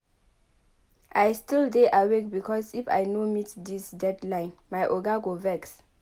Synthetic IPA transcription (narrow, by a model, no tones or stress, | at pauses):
ʔajstildeʔawek̚bikʰɔsifa̰jnomitdisdɛdlãɪ̃nmajʔoɡaɡovɛks